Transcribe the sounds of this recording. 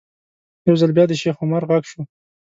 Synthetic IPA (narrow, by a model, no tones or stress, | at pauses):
jawzalbjɑd̪əʃexʊmaɾɣaɡʃo